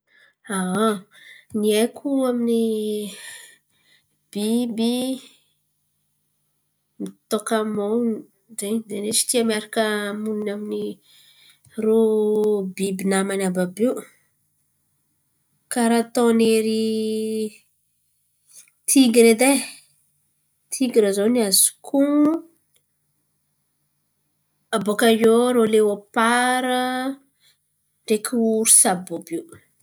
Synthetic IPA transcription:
a | niekʰuamini | b̥ibi | mit̪okamow | zed̪enet͡ʃi̥t̪iamiaɾakəmuninamini | ro | bibinamanababew | kaɾat̪ɔ̃neɾi | t̪ʰiɡiɾed̪e | t̪ʰiɡiɾəzoniazkʰuŋu | abokajoɾolewapaɾə | ɳɖ͡ʐekiuɾu̥sabobiw

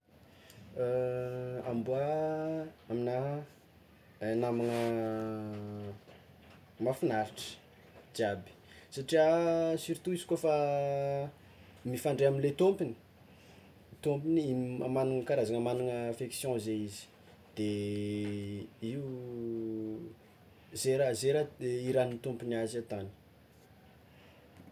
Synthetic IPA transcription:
ambua | amina | namanə | mafinaɾiʈ͡ʂə̥ | d͡ʒiabi̥saʈ͡ʂiasyɾt̪uizi̥kofa | mifãɳɖ͡ʐeaminlet̪ompini̥ | t̪ompiniiamanuŋəkaɾazaŋəmanuŋəafeksjɔ̃zeizi̥ | d̪̥e | iu | zeɾazeɾaiɾanit̪ompinazat̪ani̥

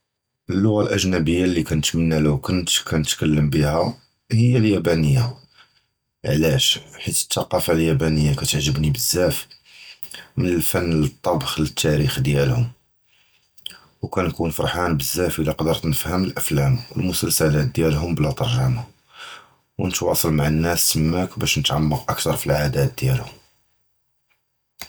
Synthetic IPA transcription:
ʔəlːʊɣalʔæʒnæbəjːalːikænət̪mənːæləwkʊnt̪kʰænət̪kælːəmbihæ | həjːæljæbænəjːa | ʕlæʃħit̪ə̥t̪ːɑqɑfaljæbænəjːakæt̪əʕʒəbnibəzːæf | mənəlfænːlət̪ˤːɑbxlət̪ʰːæɾixd̪jælhʊm | wkænkunfɑɾˤħɑnbəzːæfʔəliqɑd̪əɾˤt̪nəfhəməlʔæflæmwəlmʊsəlsælæt̪̚d̪jælɦʊmblæt̪ˤɑɾˤʒɑma | wənət̪wɑsˤɑlmaʕanːæsːəmːækbæʃnət̪ʕamːəqʔək̚t̪ɑɾˤfilʕad̪æt̪̚d̪jælhʊm

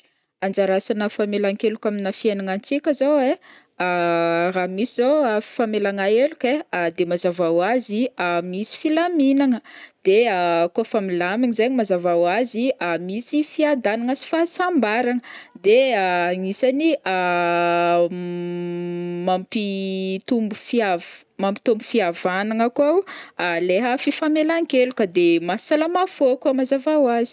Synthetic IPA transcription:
and͡ʒaɾasanəfamelaŋkelukʲaminafianaŋant͡sikʲəzowe | ramisizoafamelaŋaelukead̪emazavawaziamisi̥filaminaŋəd̪̥eakofamilamiŋizaɲimazavawaziamisifiad̪anaŋəsi̥fasambaɾaŋəd̪eaŋisania | mampit̪umbufiav | mampi̥t̪umbufiavanaŋakwawaleɦəfifamelaŋkelukəd̪emasalamafokamazavawazi̥

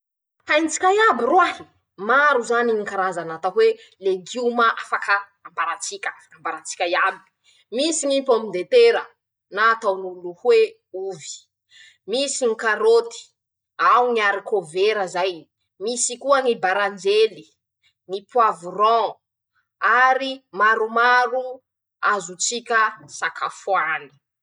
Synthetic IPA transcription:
ajnt͡si̥kʲajabiruaɦi̥ | maɾuzaniŋikaɾazanat̪aɦwe | leɡiumaʔafakəː | mbaɾat͡sikʲəafakəambaɾat͡si̥kʲajabi̥ | misiŋipomind̪et̪eɾə | naːt̪awnuluhwe | uvi̥ | misiŋikaɾot̪i̥ | awŋiaɾikoveɾəzaj | misikuəŋibaɾand͡ʒeli | ŋipuavurɔ̃ | aɾimaɾumaɾu | azut͡sikʲəsakafwani̥

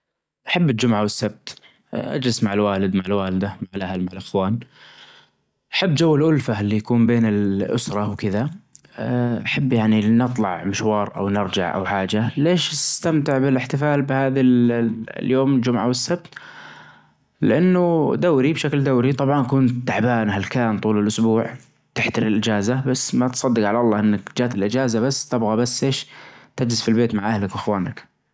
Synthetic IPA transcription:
ʔaħabːɪd͡ʒʊmʕawɪsːab̚t̪ | ʔa̰d͡ʒlɪsmaʕɪlwaːlɪd̪maʕɪlwaːlɪd̪amaʕɪlʔahalmaʕalʔaxwaːn | ʔaħabːd͡ʒawːalʔʊlfalːijakuːmbeːnɪlʔʊ̰sɾˤɑwkɪða | ʔaħabːjaʕninɨt̪ˤlɑ̰ʕmɪʃwɑːɾˤʔa̰wnɪɾˤd͡ʒa̰ʕʔa̰wħaːd͡ʒaleːʃst̪amt̪ɪʕbɪlɪħt̪ɪfaːlbɪhaːðalljoːmɪld͡ʒʊmʕawɪsːab̚t̪ | lɪʔanːʊd̪aːɾibʃakld̪aːɾit̪ˤɑbʕɑnkʊnt̪ːaʕbaːnɦalkaːnt̪ˤuːlɪlʔʊsbuːʕ | t̪ɪħt̪aɾilʔɪd͡ʒaːzabasːmat̪sˤɑd̪ːɪqʕalaʔɑlˤːɑːʔɪnːakd͡ʒaːt̪ɪlʔɪd͡ʒaːzabasːt̪ɪbɣabasːʔeːʃt̪ad͡ʒlɪzfilbeːt̪maʕʔahlɪkʔɪxwaːnak

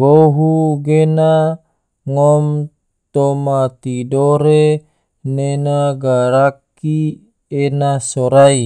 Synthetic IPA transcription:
boɦuɡena | ŋɔm | t̪omat̪idoɾe | nenaɡaɾak | i | enasoɾai

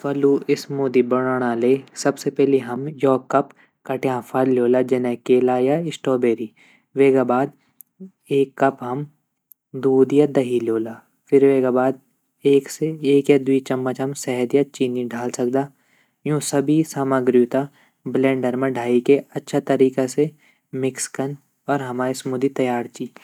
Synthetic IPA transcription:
fɐluɪsmoːd̪ibɐɽaːɽ̃aːleːsɐbsepɛɦleɦɐmjɔːkːɐp | kɐʈjãːfʰaːlljoːlad͡ʒɛnɛ̃keːlajaɪsʈɔːbeːɾiː | ʋeːɡabaːd̪ | eːkːɐpɦɐm | d̪uːd̪jad̪ɐɦiljoːlaː | fʰɪɾʋeːɡabaːd̪ | eːkseeːkjad̪wit͡ʃɐmːət͡ʃɦɐmsɛɦɛd̪jat͡ʃiːniɖʱaːlsɐk̚d̪aː | jũːsɐbʱisaːməɡɾjut̪a | blɛ̃ːɳɖəɾmẽɖʱaːikeɐtːʃʰat̪ɐɾiːkase | mɪkskɐn | ɔːɾɦɐmaːismud̪it̪ɐjaːɾt͡ʃiː

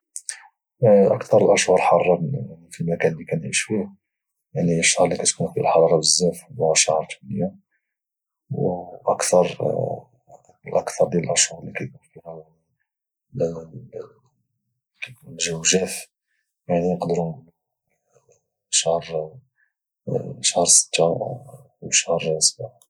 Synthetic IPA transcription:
ʔəkt̪ɑɾˤəlʔəʃhʊɾħɑrˤːɑfilmækænlːikænʕiʃfih | jaʕniəʃːɑhɾˤlikæt̪kunfilħɑɾˤɑbəzːæfæʃɑhɾˤt̪u̥nəjːa | wʔəkt̪ɑɾˤ | lʔə̰kt̪ɑɾˤd̪jæləlʔəʃuɾlikæjkunfihæ | kæjkunʒəwʒæf | jaʕninəqd̪əɾul | ʃahɾˤ | ʃəhɾˤsə̥t̪ːa | wʃəhɾˤsbʕ

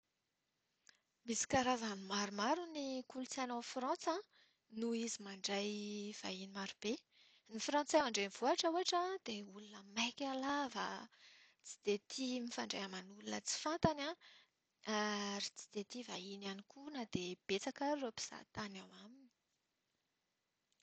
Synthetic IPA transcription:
misi̥kaɾazanimaɾumaɾunikulut͡sanofrɑ̃t͡sã | nuizimaɳɖ͡ʐajv̥a̰inimaɾub̥e | nifrɑ̃nt͡sawaɳɖ͡ʐenv̥oaʈ͡ʂəuaʈ͡ʂãd̪̥eulunəmajkʲalavə̰ | t͡si̥d̪̥et̪ʰimifaɳɖ͡ʐajamanulunə̰t͡si̥fant̪anã | aɾit͡si̥d̪̥et̪ivainanikunad̪̥eb̥et͡sakaropi̥z̥a̰t̪anawamini̥

